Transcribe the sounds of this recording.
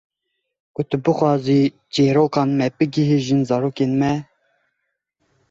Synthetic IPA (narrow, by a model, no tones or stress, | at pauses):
kʊt̪ɨbɨxwɑːziː | d͡ʒeːɾoːkɑːnmɛbɨɡiɦiʒɨnzɑɾoːkeːnmɛ